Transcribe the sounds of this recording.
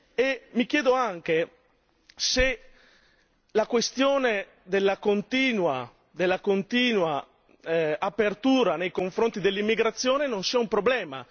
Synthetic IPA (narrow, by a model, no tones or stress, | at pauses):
emik̟jɛːd̪oaŋk̟e | se | lakwest̪joːne | d̪elːakont̪iːnwa | d̪elːakont̪iːnwa | apert̪uːɾanejkoɱfɾont̪id̪elːimːiɡɾat̪sːjɔːnenonsɛumpɾoblɛːma̰